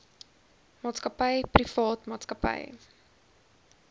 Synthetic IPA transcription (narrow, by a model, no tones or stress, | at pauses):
mɑːtskəpəjprifɑːtmɑːtskəpə̰j